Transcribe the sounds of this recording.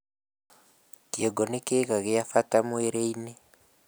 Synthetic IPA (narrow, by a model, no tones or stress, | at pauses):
kiɛɡɔnɛkeɣaɣɛjafatamueɾeinɛ